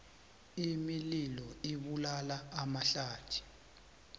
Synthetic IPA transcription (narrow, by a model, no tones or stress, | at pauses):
imililɔiɓulalaːmaɬaːd̥ʰʱi̥